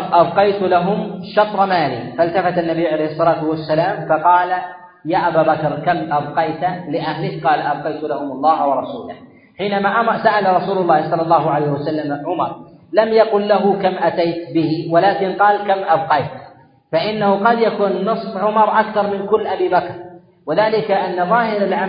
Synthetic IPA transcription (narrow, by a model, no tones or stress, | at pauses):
ʔɑbqɑjt̪laɦʊmʃɑt̪ˤɾˤmaːlifalt̪afat̪anːabijːʕalejhɨsˤːɑlaːt̪ʊwasːalaːmfɑqɑːla | jaːʔabaːbakɾkamʔabqɑjt̪alɪʔahlɪkqɑːlaʔab̚qɑjt̪lahʊmʊlˤːɑːhawɑɾˤɑsuːlah | ħiːnamaːʔamsaʔalaɾˤɑsuːlʊlˤːɑːhsˤɑlːɑlˤːɑːhʊʕalajːhwasalːamaʕʊmɑɾˤlamjaqʊlːaɦʊkamʔat̪ajt̪bɪhiwalaːkɪnqɑːlkamʔɑbqɑjt̪ | faʔɪnːahʊqɑd̪jakuːnːɨsˤfʕʊmɑɾˤʔakθɑɾˤmɪnkʊlːʔabiːbakɾˤ | wɪðaːlɪkaʔanːaðˤɑːhɪɾalʕa